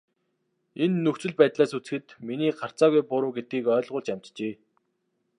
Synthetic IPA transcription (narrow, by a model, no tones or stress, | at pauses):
enːɵxt͡sɵ̆ɮpæːt̪ɮaːsut͡s̆xɘ̆t̪miniːɢar̥t͡saːɣujpʊɾʊːɡet̪̚ɡiːkœːɮʁʊːɮt͡ɕam̥ʲt̪t͡ɕeː